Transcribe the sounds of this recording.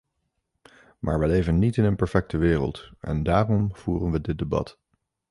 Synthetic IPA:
mʔaːɹʋəlejvənːitɪnənpɛɹfɛk̚təʋɪːrə̰lˠtʔɛ̰ndaːrɔmv̥uːrənʋədɪt̚debɑ̰t

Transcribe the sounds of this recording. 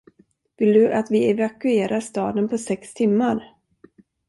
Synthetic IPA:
vɪld̪ɵʔat̪vɪɛvakɵeːɾʔaɾʂt̪ɑːd̪ənpʰɔsɛkst̪ʰɪmːaɾ

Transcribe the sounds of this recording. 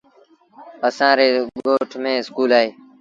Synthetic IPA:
əsãːɾeːɠoːʈʰmẽːɪskuːlaːɦeː

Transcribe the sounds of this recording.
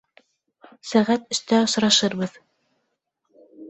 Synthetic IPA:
sæʁæt̪ɵ̆st̪æŏʃɾɑʃɤɾβɤð

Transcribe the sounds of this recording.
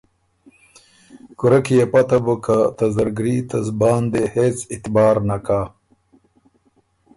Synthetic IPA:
kuɾɐkijepɐt̪ɐbukat̪ɐzɐɾɡɾit̪ɐzbaːnd̪eheːt͡sɪt̪baːɾnakaː

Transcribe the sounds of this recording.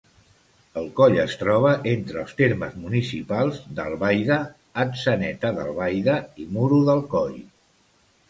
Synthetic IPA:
əlˠkɔʎəst̪ɾɔβ̞əʔent̪ɾəːlˠst̪eɾmə̰zmunisipalˠzd̪ə̰lˠβajðəː | ksənɛt̪əðə̰lˠβajðəimuɾuðəlˠkɔʎ

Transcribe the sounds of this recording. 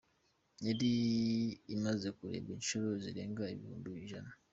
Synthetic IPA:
eɾiː | mazekuɾḛβinʃoɾoziɾeːŋɡaiβihṵːnduβiʒana

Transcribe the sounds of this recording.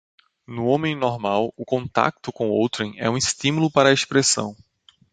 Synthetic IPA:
nʊõmẽj̃nɔɾmawʊkõnt̪a̰k̚t̪ʊkõw̃owt̪ɾẽj̃ɛ̰ũɪst̪ĩmulʊpaɾɐespɾesɐ̰̃w̃

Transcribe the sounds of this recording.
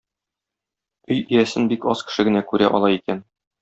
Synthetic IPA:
ɵjijæsɘnbikɒskɘ̥̆ʃɘ̆ɡɘ̆nækʉɾæ̰ʔɒlˠɑikæn

